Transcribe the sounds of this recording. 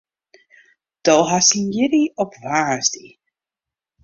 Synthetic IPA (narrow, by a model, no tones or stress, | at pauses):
d̥olˠɦasinjɪɾiɔpvaɹzdi